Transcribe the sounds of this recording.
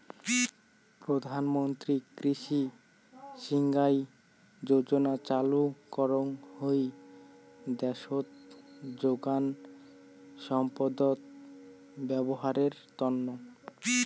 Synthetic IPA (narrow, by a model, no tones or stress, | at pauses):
pɾod̪ʱanmont̪ɾikɾiʃi | ʃiŋɡaj | d͡ʑod͡ʑonat͡ɕalukɔɾoŋhoj | d̪ɛʃot̪d͡ʑoɡan | ʃɔmpod̪ot̪̚ | bɛboɦaɾeɾt̪ɔnːo